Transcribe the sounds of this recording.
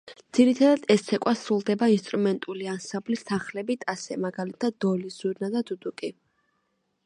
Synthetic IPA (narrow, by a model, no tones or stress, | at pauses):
d̪z̥iɾit̪ʰad̪ad̪ɛst̪sʰɛkʼwasɾulˠd̪ɛbainst̪ʼɾumɛnt̪ʼuliansamblist̪ʰaχlɛbit̪ʼasɛmaɡalit̪ʰad̪̚ːɔliz̥uɾnad̪ad̪ud̪ukʼi